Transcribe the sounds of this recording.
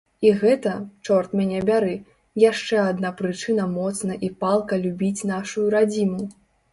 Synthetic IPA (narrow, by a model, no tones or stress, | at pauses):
iɣɛt̪ɐt͡ʂɔrt̪mʲanʲɛbʲaɾɛ | jaʂt͡ʂɛad̪napɾɨt͡ʂɨnɐmɔt̪sn̪ɐʔipalˠkɐlʲubʲit͡sʲnaʂujuɾad͡zʲimu